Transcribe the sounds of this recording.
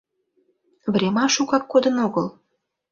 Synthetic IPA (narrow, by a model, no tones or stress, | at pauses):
vrʲemɑʃukɑkːod̪ənoɣəl